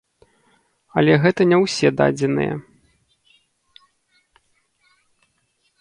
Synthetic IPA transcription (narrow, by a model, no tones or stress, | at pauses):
ɐlʲɛɣɛt̪ɐnʲɛwsʲɛd̪a̰d͡zʲɛn̪ɨ̰jɛ̰